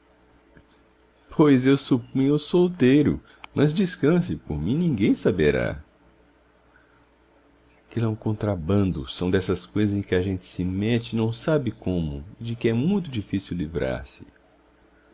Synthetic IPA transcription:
pʰojzewsupũɲʊʊsowt̪ejɾʊ̰ | mʔɐzd͡ʒiskɐ̃s̬ɪpoɾmĩnĩɡẽj̃sabeɾa̰ | akelɛũkõnt̪ɾabɐ̃nd̪ʊ̰sɐ̃w̃d̪ɛsɐskojzɐzẽkɪaʒẽnt͡ʃɪ̥sɪmɛt͡ʃɪnɐ̃w̃sabɪkõmʊ̰ɪd͡ʒɪkɪɛmũj̃t̪ʊd͡ʒifisiwlivɾa̰ɾsɪ̥

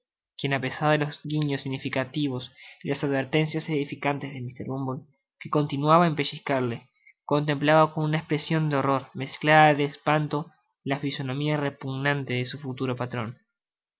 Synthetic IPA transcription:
kje̞nape̞saɾðelo̞zɣiɲosiɣnifikat̪iβ̞o̞silasaðβe̞ɾt̪e̞nsjase̞ðifikant̪e̞zðemist̪eɾβumbol | ke̞ko̞nt̪inwaβaempe̞ʃiskaɾle | ko̞nt̪e̞mplaβako̞nunaespɾe̞sjo̞nd̪eoro̞ɾme̞sklaðaðeːspant̪o̞ | lafiso̞no̞miare̞puɣnant̪e̞ðesufut̪uɾo̞pat̪ɾo̞n

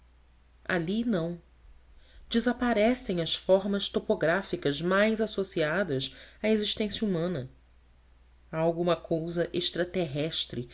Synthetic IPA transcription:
a̰linɐ̃w̃ | d͡ʒɪzapaɾɛsẽj̃ɐsfɔɾmɐst̪opoɡɾafikɐzmajzasosiad̪ɐʃaeziʃt̪ẽsjɐumɐ̃nɐ | aawɡũmɐkʰowzɐʔeʃt̪ɾat̪eɦɛʃt̪ɾɪ

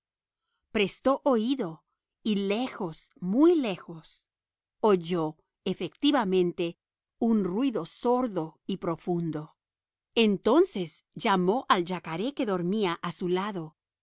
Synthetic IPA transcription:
pɾe̞st̪o̞ʔoiðo̞ | ile̞xo̞smujle̞xo̞s | oʝo̞ | efekt̪iβamẽ̞nt̪e̞ | unrwiðo̞so̞ɾðo̞ipɾo̞fund̪o̞ | ent̪o̞nse̞s | d͡ʒamo̞ʔald͡ʒakaɾe̞ke̞ðo̞ɾmiaʔasulaðo̞

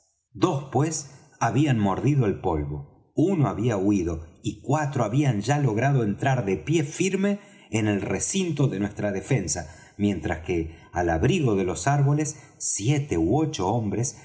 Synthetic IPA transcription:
d̪o̞spwe̞s | aβianmo̞ɾðiðoelpo̞lβo̞̰ | uno̞aβiauiðo̞ikwat̪ɾoaβianʒalo̞ɣ̞ɾað̞oe̞nt̪ɾaɾðepje̞fiɾme̞ː | ne̞lresint̪o̞ðe̞nwe̞st̪ɾaðe̞fe̞nsa | mjẽ̞nt̪ɾaske | alaβɾiɣo̞ðe̞lo̞saɾβo̞lesː | jet̪ewo̞t͡ʃo̞ombɾes

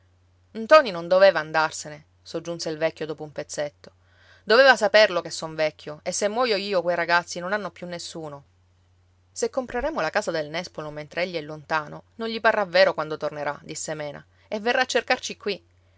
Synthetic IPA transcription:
nt̪ɔːninond̪oveːvaːnd̪arsene | sod͡ʒːunseilvɛkʲːjod̪oːpoumpet̪sːet̪ːo̥ | d̪oveːvasaperlokesːɔɱvɛkʰʲːjoesːemːwɔːjoiːokwejɾaɡat̪sːinonanːopjunːesːuːno | sekːompɾeɾeːmolakaːzad̪elnɛspoloment̪ɾeeʎːiɛlːont̪aːnononɲʎiparːaveːɾokwand̪ot̪orneɾa̰d̪isːemɛːna̰ | evːerːaːt͡ʃːerkart͡ʃikwi

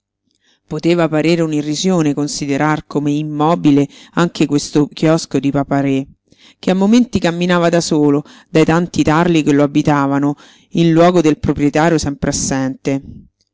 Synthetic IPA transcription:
pot̪eːvapaɾeːɾeunirːizjoːnekonsid̪eɾarkomeimːɔːbileaŋkekwest̪okʰjɔskod̪ipapaɾe | k̟eamːoment̪ikamːinaːvad̪asoːlod̪ajt̪ant̪it̪arlikelːoabit̪aːvano | inlwɔːɡod̪elpɾopɾjet̪aːɾjosɛmpɾeasːɛnt̪e

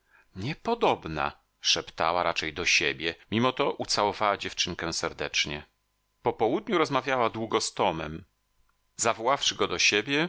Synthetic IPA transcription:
ɲɛpɔd̪ɔbna̰ | ʂɛpt̪a̰waɾat͡ʂɛjd̪ɔɕebʲjɛmʲimɔt̪ɔʔut̪sawɔvawad͡ʑɛft͡ʂɘŋkɛ̃sɛɾd̪ɛt͡ʂɲɛ | pɔpɔwud̪ɲuɾɔzmavʲjawad̪wuɡɔst̪ɔmɛm | zavɔwafʂɘɡɔd̪ɔɕebʲjɛ

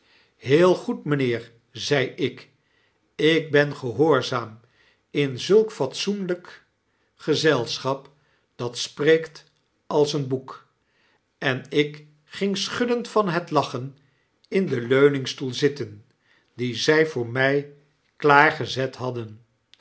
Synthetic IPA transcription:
ɦɪːlˠχutmənɪːɹ | zɛjɪk | ɪk̚bɛnχəɦoːɹzaːm | ɪnzɵlˠkfɑtsunlək | χəzɛlˠsχɑp | d̥ɑtspreːkt | ɑlˠsənbuk | ɛnɪk | χɪŋsχʏdəntfɑnɦətlɑχən | ɪndəløɥnɪŋstulˠzɪtən | dizɛjvʊːɹmɛj | klaːɹχəzɛtɦɑdən

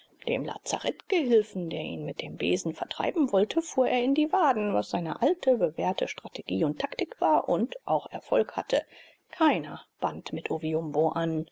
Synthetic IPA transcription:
d̥eːmla̰ːt͡sa̰ʁɛtɡ̥əɦɪlfn̩deːɐʔḭːnmɪt̚d̥eːmbḛːzn̩fɛɐtʁ̥a̰ɪbm̩vɔltʰəfuːɐʔeːɐɪndiːvaːdn̩vasz̥aɪnə̰ʔaltʰəbəveːɐtʰəʃtʁ̥atʰeɡ̥iːʊntʰːaktɪkv̥aːɐʔʊntʔaʊxʔɛɐfɔlkha̰tʰə | kʰaɪnɐb̥antmɪtʔoviʊmboʔan

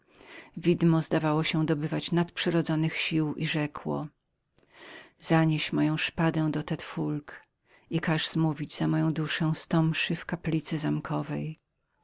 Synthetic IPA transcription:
vʲid̪mɔzd̪avawɔɕɛ̃d̪ɔbɘvat͡ɕnat̪pʂɛɾɔd̪zɔnɘxɕiwʔiʐɛkwɔ̰ | z̥aɲeɕmɔjɔ̃w̃ʂpad̪ɛ̃w̃d̪ɔt̪ɛt̪fulk | ikaʐzmuvʲid͡ʑzamɔjɔ̃w̃d̪uʂɛ̃w̃st̪ɔmpʂɘfkaplʲit̪sɘzamkʰɔvɛj

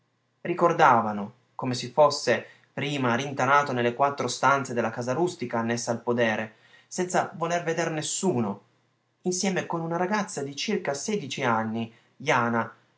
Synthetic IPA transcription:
rikord̪aːvano | komesefosːe | pɾiːmaɾint̪anaːt̪onelːekwat̪ːɾost̪ant̪sed̪elakazaɾust̪ikaːnːesːaːlpod̪ɛːɾe | sɛnt̪savolerved̪ernesːuːno | insjɛːmekonunaɾaɡat̪sːad̪it͡ʃirkasɛːd̪it͡ʃianːi | jaːna

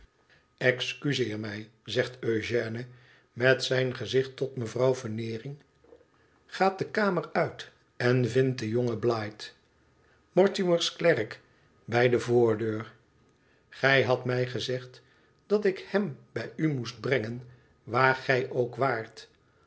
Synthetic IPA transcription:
ɛkskyzɪːɹmɛjzɛχtøɥʒɛːnə | mɛtsɛjnχəzɪχtɔtməvrɑwvənɪːrɪŋ | χaːt̚dəkaːmərœɥt | ɛnvɪnt̚dəjoŋəblajt | mɔɹtiməɹsklɛrk | bɛjdəvʊːɹdøːɹ | χɛjɦɑtmɛjχəzɛχt | dɑtɪkhɛmbɛjymusd̚brɛŋən | ʋaːɹχɛjʔowkʋaːɹt

